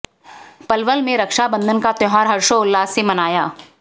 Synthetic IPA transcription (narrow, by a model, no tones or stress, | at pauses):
pɐlʋəlmẽɾɐkʃabə̃nd̪ʱənkat̪ɔɦaːɾɦɐɾʃoʊlːaːsemɐnaːjaː